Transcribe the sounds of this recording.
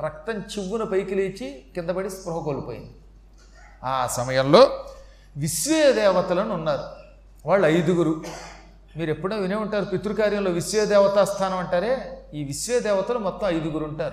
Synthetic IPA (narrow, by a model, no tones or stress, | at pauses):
ɾɐk̚t̪ɐɲt͡ʃiʋːunɐpɐjkileːt͡ʃikɪnd̪ɐbɐɽispɾuɦɐkolupoːjḭnd̪i | aːsɐmɐjɐmlo̞ː | ʋisʋeːd̪ɛːʋɐt̪ɐlɐnuunːaːɾu | ʋaːɭːɐjd̪uɡuɾu | miːɾe̞pːuɽeːʋineːuɳʈaːɾupit̪ːuɾukaːɾjɐmlo̞ːʋisʋɛːɐd̪ɛːʋɐt̪aːst̪ʰaːnɐmɐɳʈaːɾe̞ːiːʋisʋeːɐd̪ɛːʋɐt̪ɐlɐmɔt̪ːɐmɐjd̪uɡuɾuɳʈaːɾu